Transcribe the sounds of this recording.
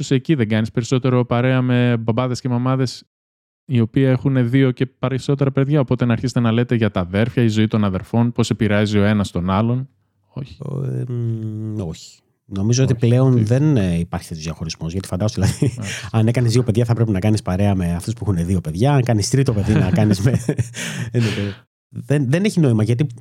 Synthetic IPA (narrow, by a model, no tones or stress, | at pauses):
oseciðe̞ŋɡɐnispe̞ɾiso̞t̪e̞ɾo̞pɐɾe̞ɐme̞bɐbɐðe̞sce̞mɐmɐðe̞s | io̞piexune̞ðio̞ce̞pɐɾeso̞t̪e̞ɾɐpeðʝɐo̞po̞t̪e̞nɐːɾçize̥t̪e̞nɐle̞t̪eʝɐt̪ɐðe̞ɾfçɐizo̞it̪o̞nɐðe̞ɾfo̞npo̞se̞piɾeɐzio̞e̞nɐst̪o̞nɐlon | o̞çi̥ | o̞çi̥ | no̞mizo̞ot̪iple̞o̞nðe̞nipɐɾçe̥t̪et̪oðjɐxo̞ɾizmo̞zʝɐt̪i̥fɐnd̪ɐzoðilɐðiɐne̞kɐnizðio̞pe̞ðʝɐθɐpɾe̞pinɐkɐnispɐɾe̞ɐme̞ɐft̪ospuexuneðio̞pe̞ðʝɐɐŋkɐnist̪ɾit̪o̞pe̞ðinɐkɐnizme | nete | ðenðe̞ne̞çino̞imɐʝɐt̪̬i